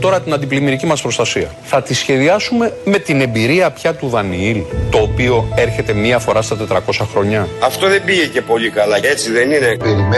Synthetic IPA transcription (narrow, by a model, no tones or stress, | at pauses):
t̪o̞ɾɐt̪inɐnd̪iplimiɾicimɐspɾo̞st̪ɐsiɐ | θɐt̪isçe̞ðiɐsume̞me̞t̪ine̞mbiɾiɐpçɐt̪uðɐniilt̪o̞ːpio̞e̞ɾçe̞t̪e̞miɐfo̞ɾɐst̪ɐt̪e̞t̪ɾɐko̞sɐxɾo̞ɲɐɐft̪o̞ðe̞biʝece̞po̞likɐlɐet͡siðe̞ninet̪eɾime